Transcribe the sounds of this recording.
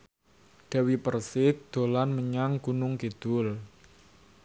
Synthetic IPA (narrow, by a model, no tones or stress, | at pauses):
d̥a̤wipərsɪk̚d̪̥o̤lanməɲaŋkunʊŋked̪̥ʊl